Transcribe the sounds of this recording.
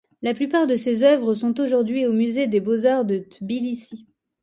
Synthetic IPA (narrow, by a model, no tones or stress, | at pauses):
laplypaʁd̪əsezœvʁəs̬ɔ̃t̪oʒuʁd̪ɥiomyzed̪ebozaʁd̪ət̪bilisi